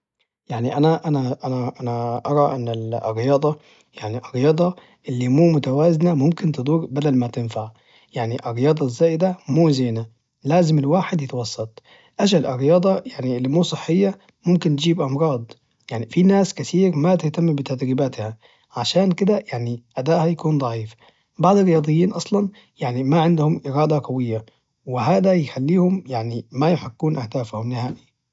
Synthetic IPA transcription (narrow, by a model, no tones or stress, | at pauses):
jaʕniʔænæʔænæʔænæʔænæʔɑɾˤɑʔɪnːɪlʔɪ̰rːɪjɑːd̪ˤɑ | jaʕniʔɑɾːɪjɑːd̪ˤɑ | ʔɪlːimuːmʊt̪awaːznæmʊmkɪnt̪ɨd̪ˤuːɾbæd̪ælmat̪ɪnfaʕ | jaʕniʔɪɾːɪjɑːd̪ˤɑzːaːjɪd̪æmuːzeːnæ | læːzɪmɪlwaːħed̪jɪt̪wɑsˤːɑt̪ˤ | ʔaʃalʔɑɾːɪjɑːd̪ˤɑjaʕniɪlːimuːsˤɨħːɪjːa | mʊmkɪnt̪d͡ʒiːbʔɑmɾˤɑːd̪ˤ | jaʕnifinaːskɪθiːɾmat̪ɪht̪amːbɪt̪ad̪ɾiːbaːt̪ha | ʕaʃaːnkɪd̪æjaʕniʔæd̪aːʔhajakuːnd̪ˤɑʕiːf | bɑʕd̪ˤɨɾːɪjɑːd̪ˤɨjːiːnʔɑsˤlɑn | jaʕnimaʕɪnd̪hʊmʔɪɾɑːd̪ɑqɑwɪjːa | wɪɦaːd̪æjɪxalːiːhʊmjaʕnimajʊħakːuːnʔahd̪aːfhʊmnɪhaːʔi